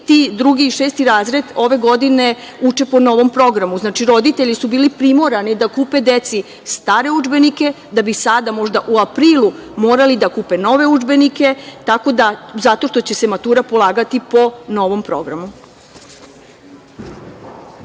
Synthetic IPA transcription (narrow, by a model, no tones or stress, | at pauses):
t̪id̪ɾuɡiːʃeːst̪iɾaːzɾe̞d̪o̞ʋe̞ɡo̞d̪ine̞ | ut͡ʃe̞po̞no̞ʋo̞mpɾo̞ɡɾamuznaːt͡ʃiɾo̞d̪it̪e̞ʎisubiːlipɾimo̞ɾanid̪akuːpe̞d̪et̪si | st̪aːɾe̞ud͡ʒbe̞nike̞ | d̪abisad̪amo̞ʒd̪aʔuapɾiːlˠumo̞ːɾalid̪akuːpe̞no̞ʋe̞ud͡ʒbe̞nike̞t̪ako̞d̪azat̪o̞ʃt̪o̞t͡ɕe̞se̞mat̪uːɾapo̞lˠaːɡat̪ipo̞no̞ʋo̞mpɾo̞̰ɡɾa̰mu